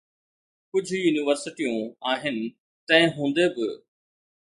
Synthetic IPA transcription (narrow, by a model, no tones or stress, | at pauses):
kʊd͡ʑʱʊjuːniʋəɾsɪʈijũaːɦɪnɪ̆ | t̪ɐ̃ɦɪ̃ɦũːn̆d̪ebɪ